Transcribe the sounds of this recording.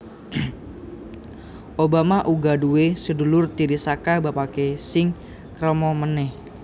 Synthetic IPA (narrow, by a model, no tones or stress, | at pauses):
ʔobamaʔuɡaduwesədulʊrt̪iɾisakabapakesɪŋ | kɾəmɔmənɛh